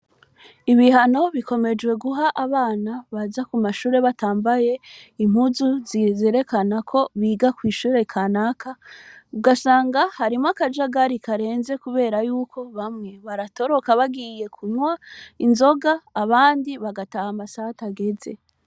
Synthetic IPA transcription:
iβihano̞βiko̞me̞d͡ʒwe̞ɡuɦaʔaβaːnaβazakumaʃuːɾe̞βataːmbaje̞im̥huzuzizeɾe̞kanakʰo̞βiːɡakwiːʃuːɾe̞kʰanaːkʰauɡasaːŋɡahaɾimakad͡ʒaɡaɾikaɾe̞ːnze̞kuβe̞ːɾajuːkʰo̞βamŋe̞βaɾato̞ɾo̞kaβaɡije̞kʰuɲwainzo̞ɡaːβaːndiβaɡatahamasataɡe̞ze̞̰

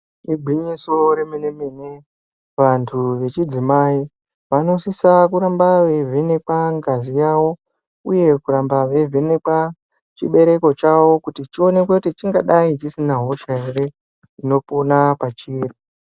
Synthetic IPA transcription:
iɡʱiɲiso̞ɾeminemine | ʋantʰuʋe̞t͡ʃid͡zimai | ʋano̞sisakuɾambaʋevʱene̞kwaŋɡazijawo̞ | uje̞kuɾambaʋe̞vʱenekwa | t͡ʃḭɓe̞ɾe̞ko̞t͡ʃawo̞kutit͡ʃio̞ne̞kwekutit͡ʃiŋɡaɗait͡ʃisinaɦo̞ʃaere̞ | ino̞ponapat͡ʃiːri

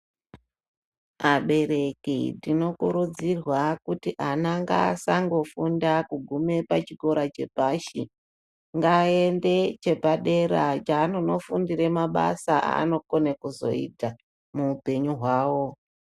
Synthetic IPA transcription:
maɓe̞ɾe̞kidino̞kuɾud͡zirwakutiʔanaŋɡaːsaŋɡo̞fundakuɡʱume̞pat͡ʃiko̞ɾat͡ʃe̞paːʃi | ŋɡaːende̞t͡ʃe̞paɗe̞ɾat͡ʃaːnono̞fundiɾemaɓa̰saa̰a̰no̞ko̞nekuzo̞̰ḭta | muːpe̞ɲuɦwaːwo̞

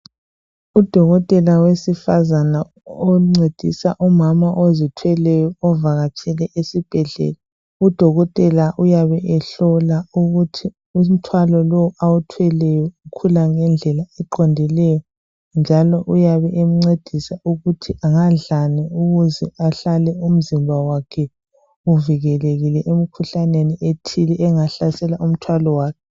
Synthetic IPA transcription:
ud̥ʱɔɣɔtʼɛlawesifazana | oŋ͡ǀed̥ʱḭsa̰ʔumamaʔozitʰwɛlɛjɔːvaɣat͡ʃʰʼɛlɛʔesib̥ʱɛɮɛ̰ːla | ud̥ʱɔɣɔtʼɛlaʔujaβɛɛɬɔlauɣutʰi | um̩tʰwalɔloawutʰwɛlɛjɔukʰulaŋɛnd͡ɮʱɛlaɛǃʰondʱilɛjɔ | nd͡ʒʱalɔʔujaβɛʔem̩ŋ͡ǀed̥ʱisauɣutʰiaŋaɮanɛuɣuzɛaɬalɛum̩zimbʱawakʰɛ | uviɣɛleɣilɛʔem̩kʰuɬaneniʔetʰilɛʔɛŋaɬasɛlaum̩tʰwalɔwaːkʰɛ

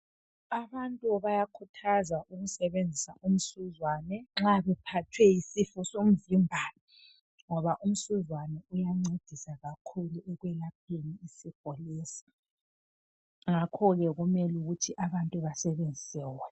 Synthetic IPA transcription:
aβantʼuβajakʰutʰazaʔuɣusɛβend͡zʱisaʔum̩suzwaːnɛŋ͡ǁaβɛpʰatʰwɛjisifɔsom̩vimbʱaːlɔ | ŋɔβaʔum̩suzwanɛujaŋ͡ǀed̥ʱisaɣakʰuluʔɛɣwɛlap̚ʰeniːsiɡ̥̚ʱɔlɛːsi̥ | ŋakʰɔɣɛɣumɛluɣutʰiʔaβantʼuβasɛβend͡zʱisɛːwɔɛ

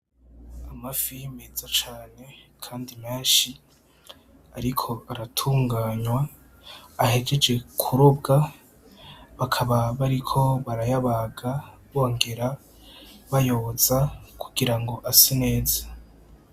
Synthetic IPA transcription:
amafijimezat͡ʃaːne̞kʰaːndimeːnʃi | aɾikʰo̞aɾatʰuːŋɡaːɲwaː | he̞ɡe̞d͡ʒe̞kʰuɾub̚ɡa | βakʰaβaβaɾikʰo̞βaɾajaβaɡaβoːŋɡe̞ɾa | βajo̞z̥akʰuɡiɾaŋɡo̞ʔasine̞ːzḁ

